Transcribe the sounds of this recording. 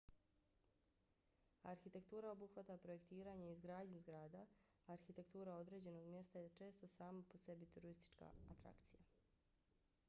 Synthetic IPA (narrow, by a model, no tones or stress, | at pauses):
aɾxit̪e̞kt̪uːɾao̞buxʋat̪apɾo̞je̞kt̪iːɾaːɲeizɡɾaːd̪ɲuzɡɾaːd̪aː | ɾxit̪e̞kt̪uːɾao̞d̪ɾe̞ːd͡ʑe̞no̞ɡmje̞st̪ajet͡ʃe̞ːst̪o̞saːmapo̞se̞bit̪uɾoɾist̪i̥t͡ʃka̰at̪ɾa̰kt̪sija